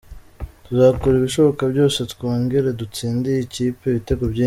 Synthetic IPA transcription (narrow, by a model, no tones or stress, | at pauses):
tuzaːkoɾiβiʃo̞βo̞kabɟo̞ːse̞tkoːŋɡeɾe̞dut͡siːndijiciːpe̞βite̞ɡobɟi